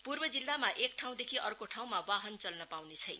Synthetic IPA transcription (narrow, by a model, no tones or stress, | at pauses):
purbʌd͡zilːamaʔek̚ʈʰaw̃d̪ekʰiʔʌrkoʈʰaw̃mabaɦʌnt͡sʌlnʌpawnet͡sʰʌjn